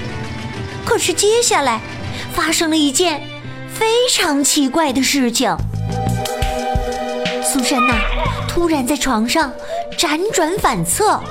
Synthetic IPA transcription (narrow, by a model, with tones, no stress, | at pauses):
kʰɤ˥˩ʂɻ̩˥˩t͡ɕjɛ˥ɕja˥˩la˧˥ɪ | fa˥ʂɤ˥ŋlə˨˧i˧˥t͡ɕjɛ˥˩n | fe˥ɪʈ͡ʂʰɑ˧˥ŋt͡ɕʰi˧˥kwa˥˩ɪd̪ə˩ʂɻ̩˥˩t͡ɕʰi˨˩ŋ | su˧˥ʂə˥nə˧t̪ʰu˥ɻa˧˥nt͡sa˥˩ɪʈ͡ʂʰwɑ˧˥ŋʂɑ˥˩ŋ | ʈ͡ʂa˧˥nʈ͡ʂwa˧˥nfa˨˩nt͡sʰɤ˥˩